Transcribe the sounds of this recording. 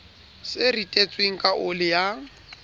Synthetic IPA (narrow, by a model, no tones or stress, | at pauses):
sɪritʼet͡sʼweŋ̩kʼaʔʊlɪja